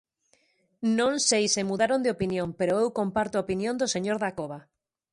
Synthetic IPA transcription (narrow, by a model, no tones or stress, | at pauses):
nõnsejsemuðaɾond̪eopinjõmpeɾoewkompaɾt̪oaopinjõnd̪oseɲoɾðakoβ̞a